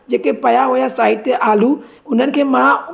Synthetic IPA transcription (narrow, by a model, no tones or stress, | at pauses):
d͡ʒeːkepɐjaɦoːjasaːɪʈt̪eʔaːluʊn̤ənɪ̆kʰẽmã